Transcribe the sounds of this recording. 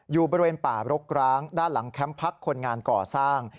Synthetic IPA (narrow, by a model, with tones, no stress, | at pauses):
juː˨˩bɔː˧ɾi˧weː˧npaː˨˩ɾo˦˥k̚ɾaː˦˥ŋdaː˥˩nla˩˦ŋkʰɛ˦˥mpʰa˦˥kʰːo˧nŋaː˧nkɔː˨˩saː˥˩ŋ